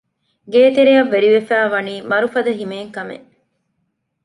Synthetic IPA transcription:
ɡeːt̪eɾejɐʋːeɾiʋefæːʋɐniːmɐɾufɐd̪ɐɦimeːŋkɐmḛʔ

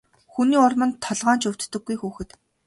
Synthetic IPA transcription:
xuniːʊrmə̆nt̪ʰːɔɮʁaːnt͡ɕɵw̥t̪ːɵ̆ɡːujxuːxɘ̆t̪

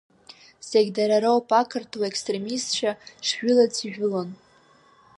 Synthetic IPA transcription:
zeɡʲdaɾaɾawpʰʼakʰɨrtʰuekstre̞mistt͡ʃaʂʒʏlat͡sʰiʒᶣʊlon

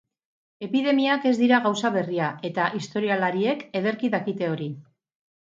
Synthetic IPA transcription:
e̞piðe̞miake̞zd̪iɾaɣawsaβe̞riae̞t̪aʔist̪o̞ɾialaɾie̞ke̞ðe̞ɾkiðakit̪e̞o̞ɾi

